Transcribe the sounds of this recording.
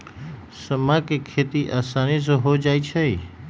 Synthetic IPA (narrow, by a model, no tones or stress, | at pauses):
səmakekʰet̪iʔaːsanis̬oɦod͡ʒaːit͡ʃʰe